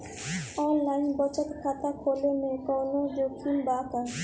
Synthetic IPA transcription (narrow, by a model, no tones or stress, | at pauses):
ɔnlajnbɔt͡ɕat̪kʰat̪akʰolemekawnod͡ʑokʰːimbaka